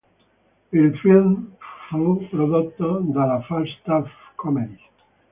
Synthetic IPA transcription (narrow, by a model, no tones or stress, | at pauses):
elfilmfupɾoðot̪ːod̪alafast̪afkʰomeðj